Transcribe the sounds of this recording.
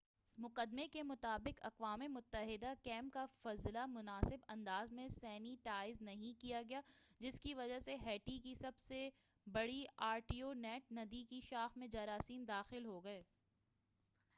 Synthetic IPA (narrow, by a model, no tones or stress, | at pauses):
mʊqəd̪mekemʊt̪aːbɪqɐ̰qʋaːmemʊt̪ːəɦɪd̪akɛ̃ːmp̚kafɐzlamʊnaːsɪbɐ̃nd̪aːzmẽsɛːniʈaːɪznɐɦĩkijaɡɐjaːd͡ʒɪskiʋɐd͡ʒaseɦɛːʈikisɐbse | bɐɽiaːɾʈionɛːʈ̚nɐd̪ikiʃaːxmẽd͡ʒaːɾaːsiːnd̪aːxɪlɦoːɡɐeː